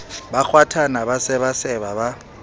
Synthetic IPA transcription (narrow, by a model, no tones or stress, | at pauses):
bak͡xʰwatʰanaβasɛβasɛβaβa